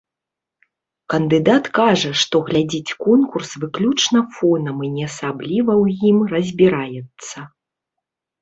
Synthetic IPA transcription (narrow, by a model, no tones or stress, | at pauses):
kɐnd̪ɨd̪at̪kaʐɐʂt̪ɔɣlʲad͡zʲit͡sʲkɔnkursvɨklʲut͡ʂnɐfɔnɐminʲɛɐsablʲivɐwjimrɐzʲbʲiɾajɛt̪sːɐ